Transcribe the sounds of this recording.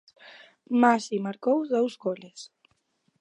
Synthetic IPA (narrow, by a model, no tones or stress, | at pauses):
masimaɾkowðowzɣoles